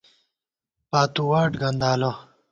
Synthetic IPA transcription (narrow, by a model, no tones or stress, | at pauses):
paːt̪uwaːʈɡɐnd̪aːlo